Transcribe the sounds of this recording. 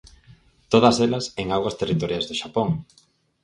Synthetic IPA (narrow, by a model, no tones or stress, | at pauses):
t̪oð̞ɐselɐseŋaɣwɐst̪erit̪oɾjajzðʊʃapoŋ